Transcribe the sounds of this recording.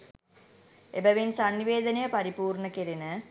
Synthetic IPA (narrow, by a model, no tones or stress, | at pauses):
ebɐʋinsɐnːiʋeːd̪ɐnɐjɐpɐɾipuːrɳɐkiɾinɨ